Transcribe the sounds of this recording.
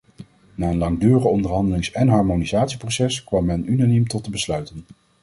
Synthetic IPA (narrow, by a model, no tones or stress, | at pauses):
naːənlɑŋdyːɾəχəɔndəɹɦɑndəlɪŋsɛnɦɑɹmonizaːtsiprowsɛskʋɑmːɛnynanimtɔtəbəslœɥtən